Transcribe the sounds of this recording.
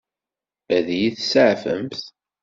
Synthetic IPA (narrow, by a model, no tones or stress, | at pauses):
æðijiθsəʕfə̰mθ